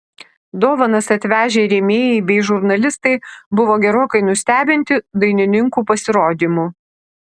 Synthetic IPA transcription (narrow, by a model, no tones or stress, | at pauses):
d̪oːʋɐnɐsɐt̪ʲʋʲæːʒʲeːɾʲɛmʲeːjɛɪbʲɛɪʒʊɾnɐlʲɪst̪ɐɪbʊʋoːɡʲɛɾoːkɐɪnʊsʲt̪ʲæːbʲɪnʲt̪ʲɪd̪ɐɪnʲɪnʲɪŋkuːpɐsʲɪɾoːd̪ʲiːmuː